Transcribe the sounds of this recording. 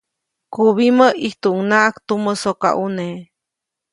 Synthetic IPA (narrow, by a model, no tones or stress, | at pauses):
kuβiməʔiht̪uʔŋnaʔakt̪uməsoka̰ʔune